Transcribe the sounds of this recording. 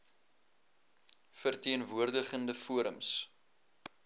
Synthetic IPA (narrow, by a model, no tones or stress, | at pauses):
fərtiənvuərdəχəndəfuəɾə̰ms